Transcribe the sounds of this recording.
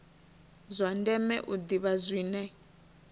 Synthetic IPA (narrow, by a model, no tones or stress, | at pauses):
zʷandɛmɛ̰ʔud̪iβazʷiːnɛ